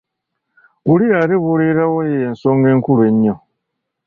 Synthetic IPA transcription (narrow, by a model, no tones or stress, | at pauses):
βuliaɾiβuɾiɾawojensoːŋɡeːŋkulweɲːo